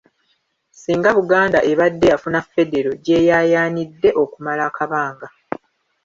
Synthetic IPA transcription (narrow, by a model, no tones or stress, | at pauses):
siːŋɡaβuɡaːndaʔe̞βadːe̞afunafe̞de̞ɾo̞ɟe̞ːjaːjaːnidːe̞ʔo̞kumalaːkaβaːŋɡa